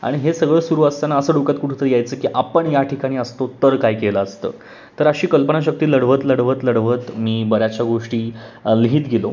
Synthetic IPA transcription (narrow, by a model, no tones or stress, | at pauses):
a̰ɽ̃iɦesəɡɭəsuɾuːəst̪anaəsəːɖokat̪̚kuʈʰut̪əɾjajt͡səːkiːʔapəɳjaʈʰikaɽ̃iːəst̪ot̪əɾkajkelaəst̪ə̰ː | t̪əɾəɕiːkəlpənaɕ̬ək̚t̪iːləɽʋət̪ləɽʋət̪ləɽʋət̪miːbəɾjat͡ɕjaɡoʂʈiːliɦiːt̪ɡʱelo̰